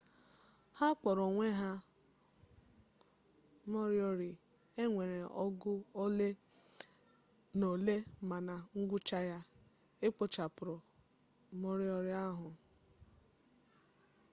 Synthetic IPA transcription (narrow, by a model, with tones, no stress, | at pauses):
ha˦k͡pɔ˨ɾɔ˨ŋʷe˦ɦa˦ | mɔ˦ɾɪ˦o˦ɾɪ˨ | e˦ŋʷe˨ɾe˨ɔ˦ɡʊ˦o˦le˦ | no˨le˦˨ma˨na˨ŋ̩˦ɡʷʊ˦t͡ʃa˦ja˦ | e˦k͡po˨t͡ʃa˨pʊ˨ɾʊ˨ | mo˦ɾi˦o˦ɾɪ˦a˦ɦʊ˨